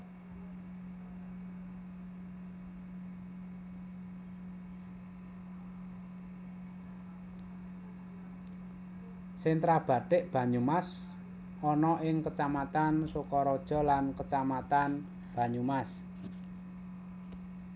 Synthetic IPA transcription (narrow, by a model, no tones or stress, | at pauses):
sint̪ɾab̥ä̤ʈɪʔb̥ä̤ɲumas | ʔɔnɔʔɪŋkət͡ʃamat̪ansokɔɾɔd̥ʒ̥ɔ̤lankət͡ʃamat̪an | b̥ä̤ɲumas